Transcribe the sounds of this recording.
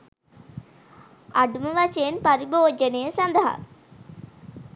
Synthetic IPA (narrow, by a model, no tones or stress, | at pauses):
ɐɖuməʋɐʃeːnpaɾiboːd͡ʒənejəsɐnd̪əɦa̰